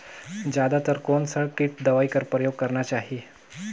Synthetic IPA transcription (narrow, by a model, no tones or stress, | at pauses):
d͡ʑjad̪at̪əɾkoɳsəɭʈiːʈ̚d̪əʋaikəɾpɾəjoɡ̚kəɾɳjat͡ɕaɦi